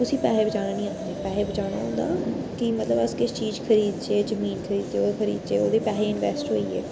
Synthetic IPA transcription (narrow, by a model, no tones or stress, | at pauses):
t̪ʊsĩːpɛːeːbəd͡ʒaːɽ̃aːnĩːãːnd̪eːpɛːɦeːbəd͡ʒaːɽ̃a̰ːɦõːnd̪a̰ː | kɪmət̪ləbəskɪst͡ʃiːd͡ʒkʰəɾiːd̪̚t͡ʃeːd͡ʒəmiːnkʰəɾiːd̪t͡ʃeːoːkʰəɾḭːd̪t͡ʃeːoːd̪iːpɛːɦeːɪnʋɛːsʈɦo̰ːiːɛ̰ː